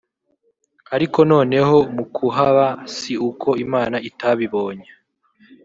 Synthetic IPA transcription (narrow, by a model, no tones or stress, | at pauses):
aɾiko̞no̞ːne̞ho̞mukʰuɦaβasiukʰo̞imaːnaitaβiβo̞ːɲe